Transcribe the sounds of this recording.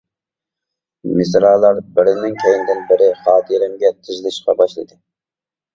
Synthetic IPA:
mɪs̬ɾɑːlˠːɑɾbɪɾɪnɪŋkʲʰejinɪd̪ɪnbɪɾɪχɑːt̪ʰəɾɪmɡʲɛt̪ʰɨʒlˠɪʃqɑ̰bɑʃlˠɨd̪ɨ

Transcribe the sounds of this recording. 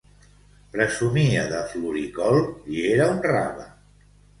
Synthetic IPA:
pɾəzumiəðəfluɾikɔlˠieɾaunra̰βə̰

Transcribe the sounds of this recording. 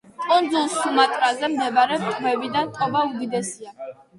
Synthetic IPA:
t̪ʼɔnd̪zulˠsumat̪ʼɾazɛmd̪ɛbaɾɛt̪ʼvɛvid̪ant̪ʼɔbaud̪id̪ɛsia

